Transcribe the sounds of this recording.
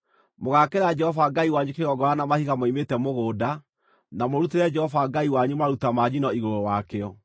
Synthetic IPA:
moɣakeɾad͡ʒɛhɔvaɡaiwaɲukeɣɔɡɔɾanamahiɣamoimetɛmoɣoːda | namoɾuteɾɛd͡ʒɛhɔvaɡaiwaɲumaɾutamaɲinɔiɣoɾowakeɔ

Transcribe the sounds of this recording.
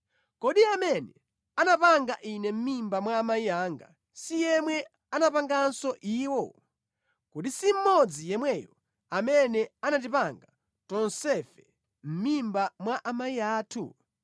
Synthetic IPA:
kɔɗiamɛnɛ | anapaŋɡaʔinɛm̩mimbamwaːmaiaːŋɡa̰ | sijɛmwɛ | anapaŋɡansɔʔiːwɔ | kuɗisim̩mɔd͡zijɛmwɛjɔ | amɛnɛanat̬ipaŋɡa | tɔnsɛfɛ | m̩mimbamwaʔamaiaːtʰṵ

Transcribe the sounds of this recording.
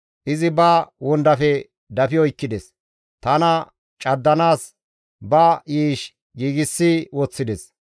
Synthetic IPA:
ʔɪzɪbɐwɔnd̪ɐfɛ | d̪ɐfɪjɔɪkːɪd̪ɛs | t̪ɐnɐ | t͡ʃʼɐd̪ːɐnaːs | bɐʔiːʃ | ɡiːɡɪsːiwɔt͡sːɪd̪ɛs

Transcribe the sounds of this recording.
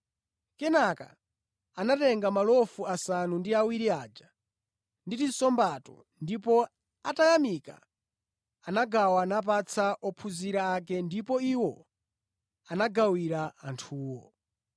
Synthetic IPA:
kɛnaka̰ | anatɛŋɡamalɔfuasanundiawiɾiad͡ʒa | nditisɔmbatɔ̰ | ndipɔ | atajamika̰ | anaɡawanap̬at͡sʰaʔɔpʰuziɾaːk̬ɛndipɔiwɔ | anaɡawiɾaantʰuːwɔ̰

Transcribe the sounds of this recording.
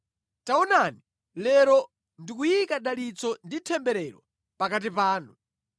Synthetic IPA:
taɔnani | lɛɾɔ | ndik̬ujikaɗalit͡sɔnditʰɛmbɛɾɛɾɔ | pakat̬ipaːnu

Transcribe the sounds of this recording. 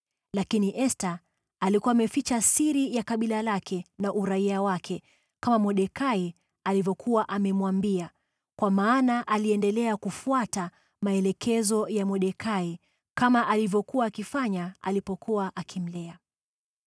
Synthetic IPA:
lakiniʔɛsta | alikuwaːmɛfit͡ʃasiɾijakaɓilalakʰɛnaʔuɾaiawakʰɛ | kamamɔɗɛkai | alivɔkʰuwaʔamɛmwambia | kwamaːnaʔaliɛndɛlɛakufuata | maɛlɛkʰɛzɔjamɔɗɛkai | kamaʔalivɔkuwaːkifaɲaa̰lipɔkuwaʔakʰim̩lɛa

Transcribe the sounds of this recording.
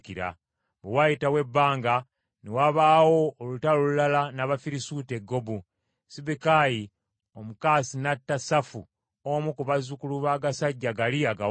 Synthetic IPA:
kiɾa̰ | βewajitawe̞bːaːŋɡa | newaβaːwo̞ːlutalolulalanaβafiɾisuːte̞ɡːo̞bu | siβikaji | omukaːsinatːasafu | omukuβazukuluβaːɡasaɟːaɡaliaɡa

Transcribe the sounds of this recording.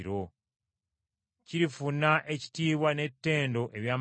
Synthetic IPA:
ɾo | ciɾifunːaʔe̞ci̥tiːβwane̞tːe̞ːndo̞ʔeβjaːm

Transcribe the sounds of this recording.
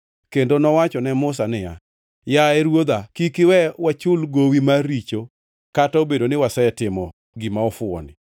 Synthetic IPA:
kendonɔwat͡ʃɔnɛmʊs̬anɪja | jaɛɾwod̪akikɪwɛwat͡ʃʊlɡowimaɾit͡ʃo | kataobedonɪwasɛɛtɪmɔ | ɡimaɔfʊɔ̰nɪ̰

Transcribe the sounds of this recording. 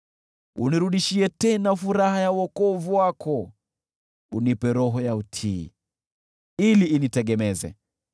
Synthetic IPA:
ṵniɾuɗiʃiɛtɛnafuɾahajauɔkɔvuwakʰɔ | unipɛɾɔɦɔjautʰḭː | iliːnitɛɠɛmɛzɛ̰

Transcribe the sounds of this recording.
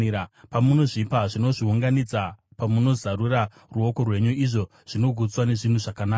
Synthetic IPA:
apamuno̞ʐipaʐino̞ʐiuŋɡanid͡zapamuno̞zaɾuɾa | ruo̞ko̞rwe̞ɲuiʐo̞ | ʐ̥ino̞ɡʱut͡swane̞ʐin̤uʐakanaːka

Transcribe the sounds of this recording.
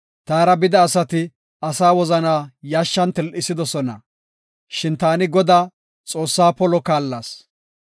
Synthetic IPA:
t̪aːɾɐbɪd̪ɐːsɐt̪ɪ | ɐsaːwɔzɐnaːjaːʃːɐnt̪ɛlʔɪsɪd̪ɔsɔnɐ̰ | ʃɪnt̪aːnɪɡɔd̪aː | t͡sʼo̞ːsːaːpɔlɔkaːlːaːs

